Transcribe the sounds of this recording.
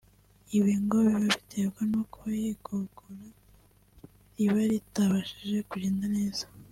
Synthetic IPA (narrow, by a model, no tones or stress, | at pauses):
iβiŋɡoβiβaβitʰebɡanukoβajiɡʰoɡoɾa | iβaɾitaβaʃiʒe̞kuɟeːndane̞ːz̥ḁ